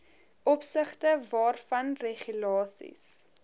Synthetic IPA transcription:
ʔɔpsəχtəvɑːrfɐnreχylɑːsḭs

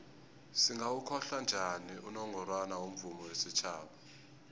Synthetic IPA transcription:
siŋɡawukʰɔɬand͡ʒʱaniunɔŋʱɔrwanawum̩vumɔwesit͡ʃʰaːɓa

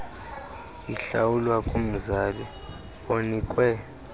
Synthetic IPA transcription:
iɬa̰wulwakʼum̩zalɛ | onikʼwɛ

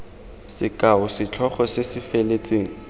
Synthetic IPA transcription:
sɪkʼaʊsɪt͡ɬʰɔχɔsesɪfelet͡sʼeːŋ̩

